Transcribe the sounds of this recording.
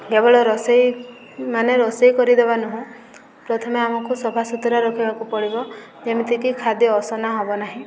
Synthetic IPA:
ɡebɔɭɔɾɔsej | maneɾɔsejkɔɾid̪ebanuɦũ | pɾɔt̪ʰɔmeamɔkusɔbʱasut̪ɔɾaɾɔkʰibakupɔɽibɔ | d͡ʒemit̪ʰikikʰad̪jɔːsɔnaɦɔbɔnaɦĩ

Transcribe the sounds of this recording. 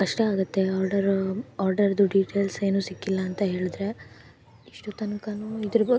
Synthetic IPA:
kɐʂʈeaːɡɐt̪ːe̞aːɾɖɐɾaːɾɖɐɾd̪uɖiːʈeːlse̞ːnuːsikːilːɐːnt̪ɐɦe̞ːɭid̪ɾe̞ | iʂʈut̪ɐnkɐnuːid̪ɐɾuɐ

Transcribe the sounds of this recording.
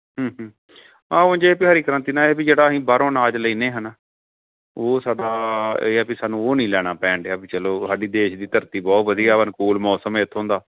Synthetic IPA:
ɦə̃ːɦː | ãːond͡ʒeːpɪɦaːɾiːkəɾə̃nt̪iːnãːeːpid͡ʒeːɽaːɦĩːbaːɾõːnaːd͡ʒləiːnẽːɦən | oːsaːɖaːeːɛːpɪsaːnũːoːnĩːlɛːɽ̃aːpɛ̃ːɳɖaːbit͡ʃəloːsaːɖiːd̪eːʃd̪iːt̪əɾt̪iːbɔːt̪ʋəd̪iːaːʋənkuːlmɔːsəmeːt̪ʰːõːnd̪aː

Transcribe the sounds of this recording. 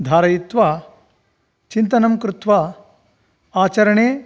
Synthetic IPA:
d̪ʱaːɾɐjit̪ʋaː | t͡ʃint̪ɐnɐmkɾut̪ʋa | aːt͡ʃɐɾɐɳeː

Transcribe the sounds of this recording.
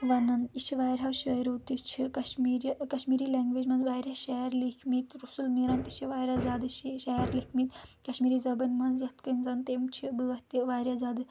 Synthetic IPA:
ʋɐnɐniʃʰiʋaːjɾʲɦɐʋʃɐjɾowt̪it͡ʃʰikɐʃmiɾkɐʃmiːɾiːleŋɡʋeːd͡ʒmɐnzʋaːjɾʲaʃajɐɾlikʰmit̪ɾusulmiɾɐnt̪iʃiʋaːjɾʲazaːd̪ɨʃajɐɾlikʰmit̪kɐʃmiːɾiːzɐbɐnmɐnzjɐt̪kɐnʲzɐnt̪emt͡ʃʰibɨɐt̪iʋaːjɾʲazaːd̪ɨ

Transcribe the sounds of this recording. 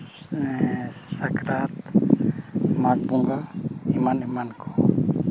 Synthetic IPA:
sakɾat̪ | mak̚buŋɡaimanimankʰɔ̥

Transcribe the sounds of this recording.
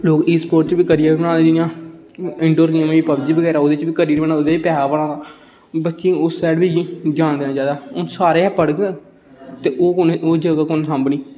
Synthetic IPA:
loːkiːspoːɾʈt͡ʃbiːkəɾijaːʋiːbənãːd̪ed͡ʒɪjãː | ɪɳɖoːɾkiãːmːiːpəbd͡ʒiːbəɡɛːɾaːoːd̪eːt͡ʃʋiːkəɾiːɾibəɽaːoːd̪eːiːpɛːaːbəɽãːd̪aː | bətːʃiːʊsːɛːɖbiːd͡ʒd͡ʒãːnd̪eːnãːd͡ʒaːd̪aːʊnsaːɾeːɛpəɽɡ | t̪eːʔoːkʊnoːd͡ʒəɡaːkʊnsãmbɳiː

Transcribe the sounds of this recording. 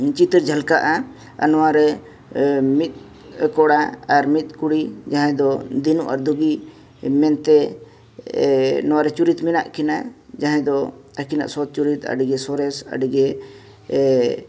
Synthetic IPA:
t͡ʃit̪əɾd͡ʒʱalkaʔa | a̰nɔwaɾɛ | mit̪̚ | kɔɽaaɾmit̪̚kuɽid͡ʒaɦɛ̃d̪ɔd̪inuʔa̰ɾd̪uɡi | mɛnt̪ɛ | nɔwaɾɛt͡ʃuɾit̪mɛnaʔkina̰d͡ʒaɦɛ̃d̪ɔakina̰ʔsɔt̪̚t͡ʃuɾit̪a̰ɖiɡɛsɔɾɛsa̰ɖiɡɛ

